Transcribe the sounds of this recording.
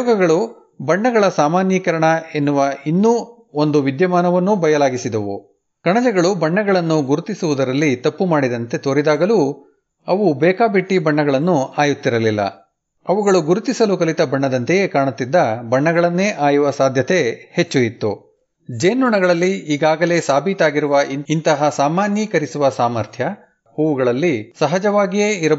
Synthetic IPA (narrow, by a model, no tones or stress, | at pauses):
ɡɐɡɐɭu | bɐɳːɐɡɐɭɐsaːmaːnjɐkɐɾɐɳɐe̞nːuʋɐinːu | o̞nd̪uʋid̪jɐmaːnɐʋɐnːubɐjɐlaːɡisid̪ɐʋṵ | kɐɳɐd͡ʒɛɡɐɭubɐɳːɐɡɐɭɐnːuɡuɾut̪isuʋud̪ɐɾɐlːit̪ɐpːumaːɽid̪ɐnt̪e̞t̪oːɾid̪aːɡɐlu | ɐʋubɛːkaːbiʈːibɐɳːɐɡɐɭɐnːuaːjut̪ːiɾɐlilːɐ̰ | ɐʋuɡɐɭuɡuɾut̪isɐlukɐlit̪ɐbɐɳːɐd̪ɐnt̪ejekaːɳɐt̪ːid̪ːɐbɐɳːɐɡɐɭɐnːeːʔaːjuʋɐsaːd̪ʱjɐt̪e̞het͡ʃːuit̪ːu | d͡ʒeːnːuɳɐɡɐɭɐlːiiːɡaːɡɐle̞ːsaːbʱit̪aːɡiɾuʋɐʔinint̪ɐɦɐsaːmaːnjɐkɐɾisuʋɐsaːmɐɾt̪ʰjɐ | uʋuɡɐɭɐlːisɐɦɐd͡ʒɐʋaːɡijeːiɾɐ